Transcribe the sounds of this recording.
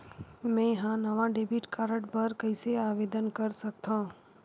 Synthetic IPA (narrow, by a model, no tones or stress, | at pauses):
mɛ̃ɦãnəʋãɖeːbiʈkaːɾəɽbəɾkəɪseaːʋeːd̪ənkəɾsək̚t̪ʰã